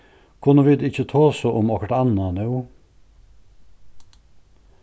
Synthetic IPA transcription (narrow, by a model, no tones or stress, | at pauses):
kʰʊnəʋɪd̪ɪçət̪ʰoːsoʔʊmɑkəʈɑnɑnʉː